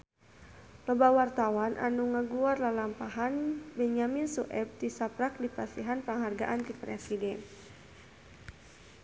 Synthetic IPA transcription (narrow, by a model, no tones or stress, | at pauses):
lɔbawart̪awanʔa̰nuŋaɡuarlalampaɦanbɛɲaminsuʔɛb̚tisapɾak̚dipasiɦanpəŋɦarɡa̰ʔant̪ipɾɛsidɛn